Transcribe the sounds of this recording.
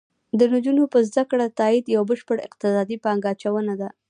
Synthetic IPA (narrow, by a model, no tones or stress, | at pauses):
d̪ənʊd͡ʒunopəzd̪akɽat̪ɑid̪jawbəʃpəɽɪ̰qt̪ɪsɑd̪ipɑŋɡɑt͡ʃawənad̪a